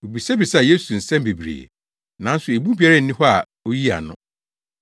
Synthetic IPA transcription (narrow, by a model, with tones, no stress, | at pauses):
o˨bi˨sɛ˦bi˨sa˨je˦su˨n̩˨sɛ̃˦m˦bi˨bɾḛ˨ | nã˨˦n̩˦sʊ˨e˨bu˦bi˨a˦ɾɛ˦˨n̩˦nɪ̃˦ɦɔ˦a̰˨ | o˦ji˦a̰˨nʊ̃˦